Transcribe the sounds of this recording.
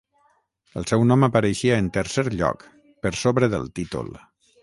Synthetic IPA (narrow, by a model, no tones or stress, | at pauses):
əlˠsɛwnɔməpəɾəʃiaːnt̪əɾseɾʎɔ̰k | pəɾsoβɾəðə̰lˠt̪it̪ṵlˠ